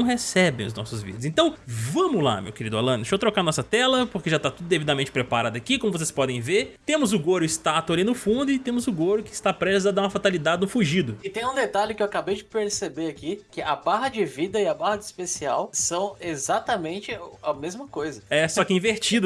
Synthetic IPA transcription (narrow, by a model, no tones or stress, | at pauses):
w̃ɦesɛbẽj̃ʊznɔ̰sʊzvḭd̪ɐzẽnt̪ɐ̃w̃vɐ̃mʊla̰mḛwkeɾid̪ʊa̰lɐ̃nʃowt̪ɾokaɾanɔsɐt̪ɛlɐpoɾkeʒat̪at̪ud̪ʊd̪evid̪amẽnt͡ʃɪpɾepaɾad̪ɐkikõmʊvos̬e̥spɔd̪ẽj̃veɾt̪ẽmʊzʊɡoɾʊɪst̪at̪uɐlinʊfũnd̪ʊɪt̪ẽmʊzʊɡoɾʊkɪst̪apɾezad̪aũɐfat̪alid̪ad͡ʒɪnũfuʒid̪ʊɪt̪ẽj̃ũd̪et̪alʊkɪewakabejd͡ʒɪpeɾsebeɾakikɪɐbaɦɐd͡ʒɪvid̪ɐɪɐbahɐd͡ʒɪspesiawsɐ̃w̃ezat̪ɐmẽnt͡ʃɪɐmezmɐkojzɐɛsɔkɪĩveɾt͡ʃid̪ʊ